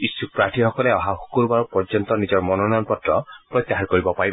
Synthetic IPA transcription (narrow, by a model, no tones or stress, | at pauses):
isuk̚pɹaʈʰihɔkɔlɛɔɦaxu̥kuɹbaɹɔpɔɹd͡ʒɔnt̪ɔnizɔɹmɔnɔnɔjɔnpɔtɹɔpɹɔjt̪ːjaɦatkoɹibɔpaɹi